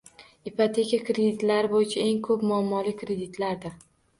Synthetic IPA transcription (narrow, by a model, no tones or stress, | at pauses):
ipat̪ʰe̞kʲakɾe̞d̪it̪laɾɪbojɪt͡ʃʰae̞ŋkʰɵpmʊamːɒlɪkʰɾe̞d̪ɪt̪laɾd̪ɪɾ